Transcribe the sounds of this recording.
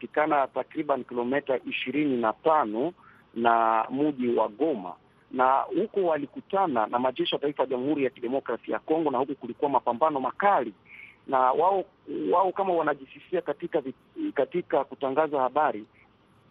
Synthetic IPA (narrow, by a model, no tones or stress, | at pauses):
atikanatakɾiɓanikilɔmɛtaʔiʃiɾininatanɔ | namuʄiwa̰ɠɔma̰ | nahukɔwalikutananamaʄɛʃijataifajaʄamuhuɾijakiɗɛmɔkɾasija̰kɔŋɡɔnahukukulikuwamapambanɔmakalinawaɔ | waɔkamawanaʄisisiakatikavi | katikakutaŋɡazahaɓaɾi